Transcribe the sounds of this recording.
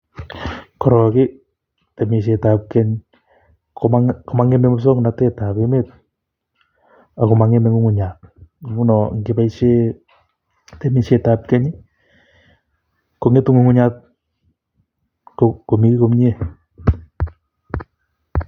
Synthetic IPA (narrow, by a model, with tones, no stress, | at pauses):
kɔ˨ɾɔkɪ˦ | te˨mi˨ʃ̬e˨tap̚kɛɲ | komako˨ma˦ŋɛ˦mɛ˦mo˦s̬o˦ŋna˨tɛ˦ta˨pemet̚ | a˨ko˨maŋe˦mɛ˨ŋu˦ŋu˨ɲa˨t̚u˦nɔŋɡɪ˨ba˦iʃe˦ | temi˨ʃetap̚kɛ˦ɲ | ko˨ŋe˦tu˦ŋu˨ŋu˦ɲa˦t̚ | koko˨mi˦ki˦ko˦mɲe˦